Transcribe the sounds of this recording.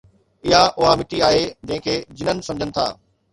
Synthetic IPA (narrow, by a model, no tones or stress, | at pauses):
ɪɦaʔʊɦamɪʈiaːɦed͡ʑɐ̃ɦɪ̃kʰeːd͡ʑɪnənɪ̆sɐ̃md͡ʑʱənɪ̆t̪ʰa̰ː